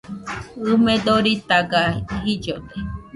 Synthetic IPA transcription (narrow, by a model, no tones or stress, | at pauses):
ɨmed̪oɾit̪aɡaɦid͡ʒod̪e